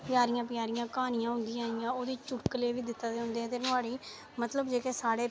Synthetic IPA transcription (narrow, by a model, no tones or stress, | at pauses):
pɪjaːɾɪjãːpɪjaːɾɪjãːkaːnɪjãːɦʊ̃nd̪ɪjãːɪjãːoːd̪iːt͡ʃʊʈkəleːʋiːd̪ɪt̪ːaːd̪eːɦʊ̃nd̪eːɛ̃ːt̪̬eːnʊaːɽiː | mət̪ləbd͡ʒeːkeːsaːɽeː